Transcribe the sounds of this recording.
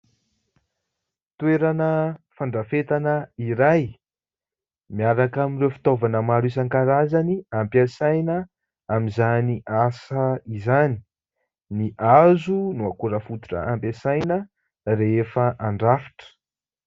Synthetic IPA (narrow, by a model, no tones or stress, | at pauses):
t̪ueɾanəfaɳɖ͡ʐafet̪anəiɾaj | miaɾakaminrewfi̥t̪ovanəmaɾuisaŋkaɾazaniampjasajnə | amizaniʔasəizani̥ | niʔazunuakuɾəfut̪i̥ʈ͡ʂə̰ampjasajnə | reefəʔaɳɖ͡ʐafi̥ʈ͡ʂə̥